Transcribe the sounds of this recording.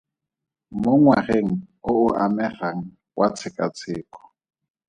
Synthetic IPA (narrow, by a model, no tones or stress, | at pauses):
mʊŋwareŋ̩ʊʊʔamɛraŋ̩ | wʔat͡sʰɪkʼa̰t͡sʰɪːkɔ̥